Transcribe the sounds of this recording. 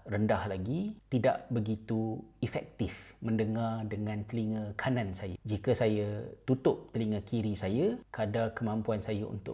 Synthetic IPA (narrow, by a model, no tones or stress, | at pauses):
rəndahlaɡit̪ida̰ʔbəɡit̪uifɛk̚t̪ɪfmə̃ndəŋardəŋãnt̪əliŋə̃kʰanãnsajad͡ʒikəsajat̪ut̪ʊp̚t̪əliŋə̃kiɾisajakəadakəmãmpuansajaʔṵnt̪ʊ̰